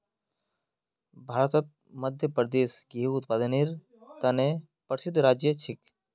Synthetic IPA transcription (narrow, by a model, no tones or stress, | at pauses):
bʱaːɾət̪ət̪̚ | mɐd̪ʱjəpɾd̪eːsɡiɦiut̪pad̪əniɾ | t̪ɐne | pəɾsɪd̪ʱːɾaːd͡ʒjət͡ʃʰɪk